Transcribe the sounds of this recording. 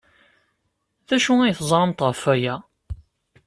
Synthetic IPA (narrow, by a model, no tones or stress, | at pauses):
ðæʃuijθəzˤɾˤəmt̪ʁəfæjæ